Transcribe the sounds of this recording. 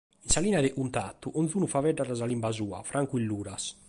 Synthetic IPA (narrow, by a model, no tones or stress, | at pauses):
insaliːnaðɛʔunt̪at̪ːuʔɔnθuːnufavɛɖːaɾazalimbazuːa̰fɾʔaŋkuilːuːɾas